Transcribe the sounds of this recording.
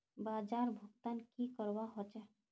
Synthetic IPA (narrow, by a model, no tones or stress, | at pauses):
baːd͡ʒaːɾbʱukt̪ankikəɾwaɦɔt͡ʃɛ